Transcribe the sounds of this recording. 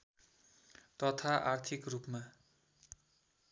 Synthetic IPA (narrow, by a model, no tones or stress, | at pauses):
t̪ʌt̪ʰaʔart̪ʰikrupma